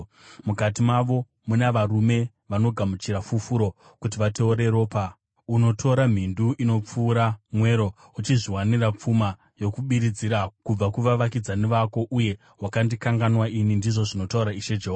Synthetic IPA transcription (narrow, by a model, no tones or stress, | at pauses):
mukatimaʋo̞ | munaʋarume̞ | ʋano̞ɡʱamut͡ʃiɾafufuɾo̞ | kut̬iʋate̞uɾe̞ɾo̞ːpa | uno̞tʰo̞ɾam̤induʔino̞p͡fuːɾamwe̞ɾo̞ | ut͡ʃiʐiwanirap͡fuma | jo̞kuɓiɾid͡ziɾakub͡vakuʋaʋakid͡zaniʋako̞ʔuje̞ | ɦwakandikaŋɡanwainindiʐo̞ʐino̞tauɾaiʃe̞d͡ʒeɦoa